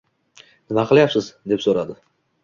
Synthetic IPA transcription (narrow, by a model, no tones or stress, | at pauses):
nɪmaqʰɨlˠajapsɪzd̪e̞psoɾad̪ɪ